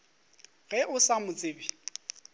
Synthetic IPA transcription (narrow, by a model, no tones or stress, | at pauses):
ɣɛʔʊsamʊt͡sʼeːbi